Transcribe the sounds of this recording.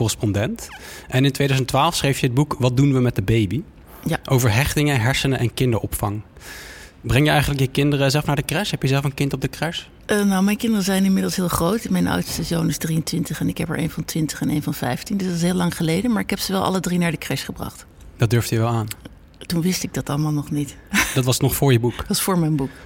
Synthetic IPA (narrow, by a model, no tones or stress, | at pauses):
kɔrəspɔndɛntʔɛnɪntʋejdœzəntʋaːlˠfsχrejfjəɦəd̚bukʋɑt̚dunʋəmɛt̚dəbejbi | jaʔowvəɹɦɛχtɪŋəɦɛɹsənəʔɛnkɪndəɹʔɔpfɑŋ | brɛŋjəɛjχənləkjəkɪndərəzɛlˠfnaɹdəkrɛsɦɛpjəzɛlˠfənkɪntɔb̚dəkrɛs | ʔənowmɛjnkɪndərəzɛjnɪnmɪdlˠsɦɪːlˠχrowtmɛjnɔ̰wtstəzownɪzdriəntʋɪntəχɛnɪkɦɛpə̰ɹʔḛjnvɑntʋɪntəχɛnḛjnvɑnfɛjftindss̬ɦɪːlɑŋχəlejdənmaːɹɪkɦɛpsəʋɛlˠʔɑ̰lˠədrinaːɹdəkrɛsχəbrɑ̰χt | d̥ɑd̚døɹfdjəʋɛlˠaːn | tunʋɪstɪɡ̚dɑtɑləmaːlˠnɔχnitd̥ɑtʋɑsnɔχfʊːɹjəbuktʋɑsfʊːɹmɛjnbuk